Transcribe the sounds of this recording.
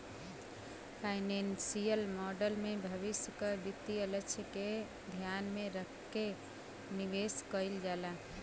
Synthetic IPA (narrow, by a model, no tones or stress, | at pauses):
pʰaɪnensijəlmɔɖəlmebʱəʋɪsjəkəd̪it̪ːiələt͡ʃʰjəke | d̪ʱjanmẽɾəkː | e | niʋeskəɪld͡ʒala